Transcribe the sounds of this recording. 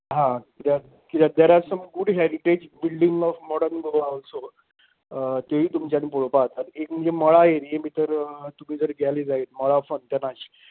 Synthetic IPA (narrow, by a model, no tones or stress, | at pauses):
ɦãkit̪ja | kit̪jad̪eɾasəmɡuɽɦɛɾiʈed͡ʑbilɖiŋɡɔfmɔɽəɾnɡoalso | t̪joɦiːt̪umt͡ɕjanipoɭopat̪at̪ekm̤əɳd͡zemɔɭajeɾjemiːt̪əɾt̪um̤iːd͡zəɾɡʱɛjlid͡zaɦet̪mɔɭafənt̪janaɕi̥